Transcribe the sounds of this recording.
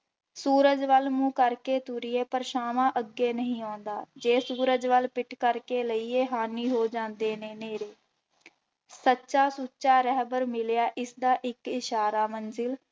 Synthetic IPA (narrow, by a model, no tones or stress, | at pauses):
suːɾəd͡ʒʋəlmũːkəɾkeːt̪uɾɪjeːpəɾʃaːmãːʔəɡeːnəɦĩːãːnd̪aːd͡ʒeːsuːɾəd͡ʒʋəlpɪʈkəɾkeːləiːeːɦaːniːɦoːd͡ʒãːnd̪eːneːneːɾeː | sətːʃaːsuːʃaːɾəɦbəɾmɪljaːʔɪsd̪aːʔɪkɪʃaːɾaːmənzɪl